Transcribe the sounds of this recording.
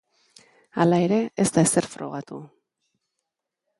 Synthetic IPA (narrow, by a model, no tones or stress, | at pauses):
a̰lae̞ɾe̞est̪aese̞ɾfɾo̞̰ɣ̞at̪u